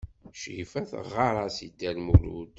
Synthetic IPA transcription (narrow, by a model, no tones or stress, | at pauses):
ʃifæθə̰ʁɑɾˤɑsid̪ːælmuɾṵd̪